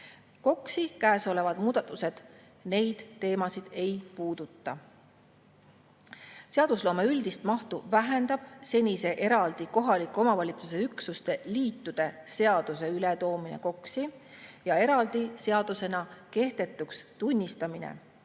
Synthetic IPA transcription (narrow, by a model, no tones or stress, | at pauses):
ko̞ksikæːso̞le̞vɑd̪̥muːd̪̥ɑt̪ːˑuse̞d̪̥ | ne̞jd̪̥ːe̞ːmɑsid̪̥e̞jpuːd̪̥ut̪ːɑ | se̞ɑd̪̥uslo̞ːme̞yld̪̥ist̪mɑht̪uvæɦe̞nd̪ɑb̥se̞nʲise̞ʔe̞ɾɑld̪̥iko̞ɦɑlikːˑo̞mɑvɑlʲit̪suse̞yksust̪e̞liːt̪ːud̪̥e̞se̞ɑd̪̥use̞ylet̪o̞ːmine̞̰ko̞ksijɑe̞ɾɑld̪̥ise̞ɑd̪̥use̞nɑke̞hd̪̥e̞t̪ːˑukst̪unʲːist̪ɑminḛ